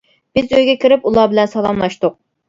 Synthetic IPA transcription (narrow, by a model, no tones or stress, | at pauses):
b̥ɪzøjɡʲɛkʲiɾɪpulˠɑbɪlɛnsɑlˠɑmlˠɑʃt̪ʊq̚